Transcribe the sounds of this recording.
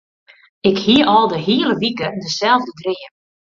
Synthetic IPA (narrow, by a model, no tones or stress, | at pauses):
ɪkhiəʔɔlˠdəɦiələʋikədəsɛlˠvdədrɪːə